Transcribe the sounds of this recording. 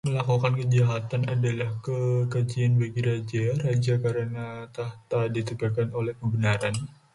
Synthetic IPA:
məlakukankəd͡ʒaɦat̪anadalahkəkad͡ʒianbaɡiɾad͡ʒarad͡ʒakaɾənat̪aht̪adit̪əɡakanolɛhkəbənaɾan

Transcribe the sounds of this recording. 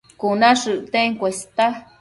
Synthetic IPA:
kunaʂɨʔt̪eŋkʷest̪a

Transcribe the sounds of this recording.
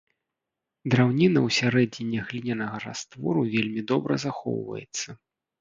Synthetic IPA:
d̪ɾawnʲinɐwsʲaɾɛnʲinʲːɛɣlʲinʲɐnɐɣɐɾa̰st̪vɔ̰ɾuvʲelʲmʲid̪ɔbɾɐ̰zaxɔ̰wvɐ̰jɛt̪sːɐ

